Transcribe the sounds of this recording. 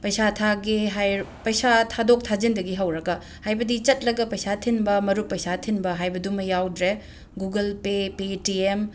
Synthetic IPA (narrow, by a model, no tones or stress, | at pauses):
pɐjsatʰaɡeɦajpɐjsatʰadok̚tʰad͡ʒindɐɡiɦɐwɾɐɡɐ | hajbɐdit͡ʃɐt̚lɐɡɐpɐjsatʰinbɐmɐɾuk̚pːɐjsatʰinbɐɦajbɐdumɐjawdɾe | ɡuɡɐlpepetiem